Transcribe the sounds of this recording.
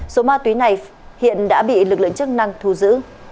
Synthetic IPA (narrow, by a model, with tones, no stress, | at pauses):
so˨˦maː˧t̪wi˨˦na˨˩j | hḭ˧˨ənɗa̰ː˧˥ɓḭ˧˨lɨ˨˩k̚lɨ̰˧˨əŋt͡ɕɨ˦˥ək̚na˧ŋt̪ʰu˧˩zɨ̰˧˥